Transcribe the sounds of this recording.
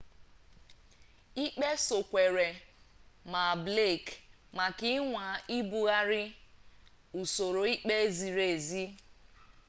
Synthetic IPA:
i˦k͡pe˦so˨kʷe˨ɾe˨ | ma˨ble˦˨k | ma˨ki˦ŋʷa˨i˦bu˨ɣa˦ɾɪ˦ | u˨so˨ɾo˨i˦k͡pe˦zi˨ɾe˨zi˦

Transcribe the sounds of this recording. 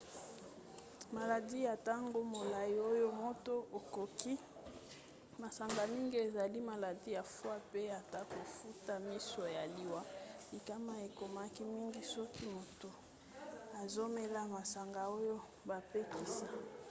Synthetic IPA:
ma˨la˨di˦ja˨ta˦ŋɡo˦mo˨la˨ji˨o˦jo˦mo˦to˦o˨ko˨ki˦ | ma˨sa˨ŋɡa˨mi˦ŋɡi˦e˨za˨li˦ma˨la˨di˦ja˨fwa˦pe˦a˨ta˦ko˨fu˦ta˨mi˦so˨ja˨li˨wa˦li˨ka˦ma˦e˨ko˨ma˦ki˦mi˦ŋɡi˦sɔ˦ki˦mo˨to˨ | a˨zo˦me˦la˦ma˨sa˨ŋɡa˨o˦jo˦ | ba˨pe˦ki˨sa˦

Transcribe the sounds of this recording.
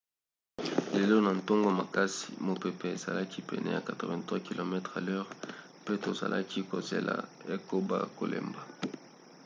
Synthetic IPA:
le˨lo˦na˨n˨to˦ŋɡo˦ma˨ka˦si̥˨mo˨pe˨pe˨e˨za̰˨la˦ki˦pɛ̰˨nɛ̰˨ja̰˨ka˨tʁo˨vɛ̃˨ntwa˦ki˨lo˨mɛ˦tχa˨lɛ˦ʁ | pe˦to˨za̰˨lʔa˦ki˦ko˨zḛ˨la̰˨e˦ko˦ba̰˦ko̰˨lḛ˨mba˨

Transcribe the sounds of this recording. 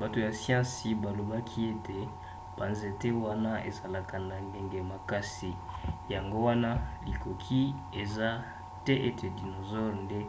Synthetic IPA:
ba˨to˨ja˨sjɑ̃˦si˨ba˨lo˨ba˦kʰi˦e˦tʰe˨ | b̥a˨nze˨te˦wa˦na˦ḛ˨za˨la˨ka˨na˨nde˨ŋɡe˨ma˨ka˦si˨ja˨ŋɡo˦wa˦na˦li˨kʰo˨kʰi˦ | e˨za˦ | te˦ʔe˦tʰe˨di˨no˨zɔ˦ʁnde˦

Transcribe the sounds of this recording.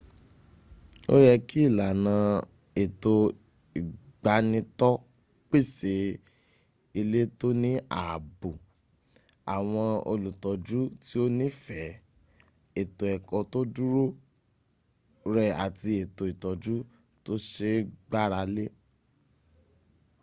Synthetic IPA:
o̰˦jɛ˧ki˦i˦˨la˨nã˨˧˦ | e˨to˧ | i˨ɡ͡ba˨˦nĩ˧tɔ˦ | k͡pe˦˨se˨˦ | i˧le˦to˦nĩ˦a˨bo˨ | a˨w̃ɔ̃˧o̰˧lu˨tɔ˨˦d͡ʒu˦ti˦o˦nĩ˦fɛ˨˦ | e˨to˨ɛ˨kɔ˨to˦du˦ɾo˦ | ɾɛ˧a̰˨ti˧e˨to˧i˨tɔ˨d͡ʒu˦ | to˦ʃe˦ɡ͡ba˦ɾa˧le˦

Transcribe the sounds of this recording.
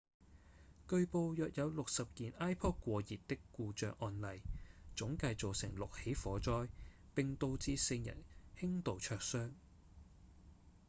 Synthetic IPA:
kɵ˧ɥpo˧wjœː˨k̚jɐ˨˧wlʊ˨k̚sɐ˨p̚kiː˨˩naː˥jpʰɔː˥t̚kʷɔː˧jiː˨t̚t̪ɪ˥kːuː˧t͡ʃœː˨k̚ʔɔː˧nlɐ˨jt͡ʃʊ˨˥ŋkɐ˧jt͡so˨wsɪ̰˨˩ŋlʊ˨k̚he˨˥jfɔː˨˥t͡ʃɔː˥jpɪ˨ŋt̪o˧wt͡siː˧sɪ˧jjɐ̰˨˩nhɪ˥ŋt̪o˨wt͡ʃʰœː˧k̚sœː˥ŋ

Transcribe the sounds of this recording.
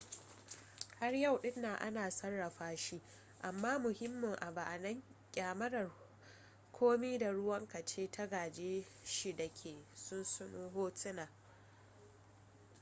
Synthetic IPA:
ha˦rja˦˨wɗɪ˦nːaː˨ʔa̰˦naː˨sɐ˦rːɐ˨ɸaː˦ʃi˦ | ʔa˨mːaː˦mʊ˨hɪ˦mːʊ˨ŋʔa˨ba˨ʔnɐ˦ŋkʲʼaː˨mɐ˦ɽɐ˨r | kʰʷoː˦miː˦da˨ɽʊ˦wɐ˦ŋkɐ˨t͡ʃeː˦tʰa˦ɡaː˨d͡ʒeː˦ʃi˦dɐ˨kʲʰeː˨sʊ˦nsʊ˦nuː˦ɦoː˦tɪ˦naː˨

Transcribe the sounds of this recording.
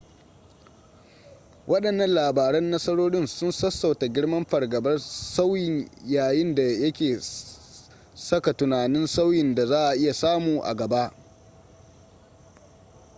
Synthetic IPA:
wɐ˦ɗɐ˨nːɐ˦nlaː˨baː˨ɾɐ˦nːɐ˦sɐ˦ɽoː˦ɽɪ˦nsʊ˦nsɐ˦sːa˨wta˨ɡʲɪ˦ɽmɐ˦mɸɐ˨rɡɐ˨bɐ˦rsa˦wjɪ˦ɲjaː˨jɪ˦nda˨jɐ˦kʲeː˨ | sɐ˦ka˨tʊ˨naː˨nɪ˦nsa˦wjɪ˨nda˨zaː˦ʔa˨ʔɪ˦ja˨saː˦muː˨ʔa̰˨ɡɐ˨ba˦ʔ

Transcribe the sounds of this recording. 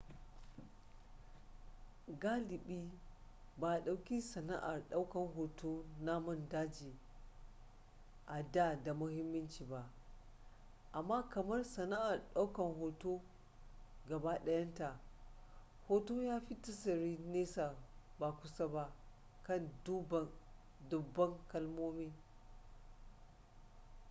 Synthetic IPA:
ɡaː˦lɪ˨ɓiː˦ | baː˨ɗa˨wkʲi˦sɐ˨na̰˦ʔa˨rɗa˦wkɐ˨ŋɦoː˨to˦na˦mɐ˦˨ndaː˦d͡ʒiː˨ | ʔa˨da˦˨da˨mʊ˦hɪ˦mːɐ˦nt͡ʃiː˨ba˨ʔ | ʔa˨mːaː˦kɐ˨mɐ˦rsɐ˨na˦ʔa˨rɗa˦wkɐ˨nɦoː˨toː˦ | ɡɐ˨ba˦ɗɐ˦jɐ˦nta˨ | hoː˦toː˦jaː˦ɸi˦tɐ˦sɐ˨ɾi˦neː˦sa˨ba˨kʷʊ˦sa˦ba˦ | kɐ˦˨ndu˦bɐ˨ | dʊ˨bːɐ˦ŋkɐ˦lmoː˦mi˦

